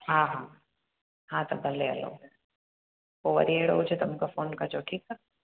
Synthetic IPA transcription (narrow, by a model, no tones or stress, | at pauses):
ɦãːɦãː | ɦãt̪obʱɐleɐ̰lo̰ | ʋoʋɐ̰ɾieɽɦod͡ʒʰet̪ɐmkafoːnkad͡ʒoːʈʰiːk̚ːa